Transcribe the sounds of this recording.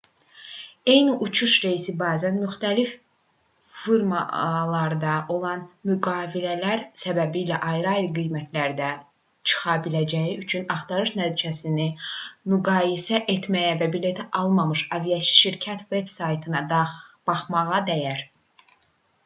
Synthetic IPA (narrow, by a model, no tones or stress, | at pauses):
e̞jniʔut͡ʃʰuʃɾeisibæːzænmyxt̪ælif | fiɾmɑ̰lˠɑɾd̪ɑʔo̞lˠɑnmyɡɑːvilælæɾsæbæbiːlæʔɑjɾɑilˠɡijmæt̪ʰlæɾd̪æ | t͡ʃʰɯ̥χɑbilæd͡ʒæjiyt͡ʃʰynɑχt̪ʰɑɾɯʃnæt̪ʰid͡ʒæsinimyɡɑːjisæʔet̪ʰmæjævæbile̞t̪ʰæʔɑlˠmɑmɯʃɑvijɑsi̥ʃiɾcʰæt̪ʰve̞bsɑjt̪ʰɯnɑd̪b̥ɑχmɑʁɑd̪æjæɾ